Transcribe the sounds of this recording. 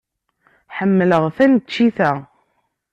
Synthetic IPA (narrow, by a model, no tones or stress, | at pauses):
ħəmːələʁθænt͡ʃːiθæ